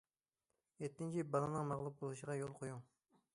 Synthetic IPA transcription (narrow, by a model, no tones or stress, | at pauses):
et̪ːɪnt͡ʃʰibɑlˠɨnɨŋmɑʁlˠup̚bolˠuʃəʁɑjolˠqʰojuŋ